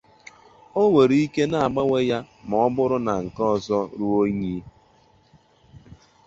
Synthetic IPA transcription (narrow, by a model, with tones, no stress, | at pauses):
o˦we˨ɾi˦i˦ke˦na˨a˨ɡ͡ba˦we˦ja˦ | ma˨ɔ˦bʊ˦ɾʊ˦na˨ŋ̩˨kɔ˦ɔ˨zɔ˦ɾu˦o˦ɲi˦